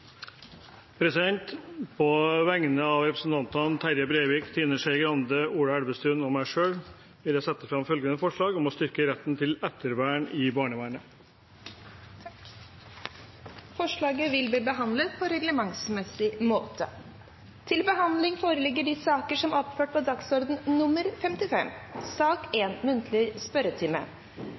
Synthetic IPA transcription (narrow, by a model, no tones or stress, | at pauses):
pʰɾɛsɪd̪ɛnt̪pʰɔʋæŋənəɑʋɾɛpɾəsn̩t̪ʰɑnt̪ɑnt̪ʰæɾjɑbɾeːʋɪkt̪ʰiːnəʂæɪɡɾɑnd̪əuːɽæɽbəst̪ʰʉːnɔmæɪʂøːɽ | ʋɪljæɪsɛt̪ːə̥fɾɑmfœlɡənəfɔʂɭɑːɡɔmɔst̪ʏɾkəɾɛt̪ːnt̪ʰɪlɛt̪ːəɾʋæːəɳɪbɑːɳəʋæːɳə | fɔʂɭɑːɡəʋɪlb̪iːbəɦɑnd̪lət̪pʰɔɾɛɡləmɑŋsmɛsɪmoːt̪ə | t̪ʰɪlbəɦɑnd̪lɪŋfoːɾəlɪɡːəɖɪsɑːkəʂɔmɔpføːʈ̚pʰɔd̪ɑksɔɾd̪n̩nʊmːəɾfɛmt̪ɪfɛ̰msɑːkeːnmʉnt̪ʰlɪspœɾət̪ʰɪmə̰